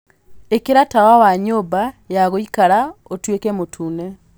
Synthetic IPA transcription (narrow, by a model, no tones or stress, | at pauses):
ekeɾatawawaɲobajaɣoikaɾaotwekɛmotʰuːnɛ